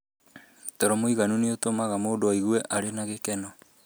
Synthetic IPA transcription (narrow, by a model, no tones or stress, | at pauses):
tɔɾɔmoiɣanuneotomaɣamoːndoaiɣwɛʔaɾenaɣekɛnɔ